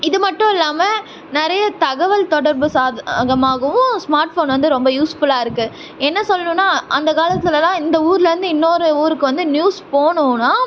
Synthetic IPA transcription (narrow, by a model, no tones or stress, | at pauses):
ɪðɯmɐʈːʊ̃ɪlːaːmɐ | nɪɾɐjɐt̪ɐɣɐʋɐlt̪ɔɽɐɾbɯsaːɣɐmaːɣɐʋʊ̃smaːɾʈfoːnʋɐnd̪ɯɾɔmbɐjuːsfʊɭaːɪɾɯkːɯ | ɛnːɐsɔlːɐnɯ̃nːaːʔɐnd̪ɐkaːlɐt̪ːɯlɐlãːɪnd̪ɐuːɾɪlɐɾɯnd̪ɯɪnːoːɾɯuːɾɯkːɯʋɐnd̪ɯnjuːspoːɳʊ̃ːnaː